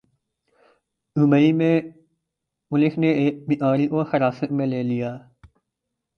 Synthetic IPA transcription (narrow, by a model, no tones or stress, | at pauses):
uməiːmẽː | mʊlɪxʰneːeːmɪʔaːɾiːʔoːhəɾaːsəʔmẽːleːlijaː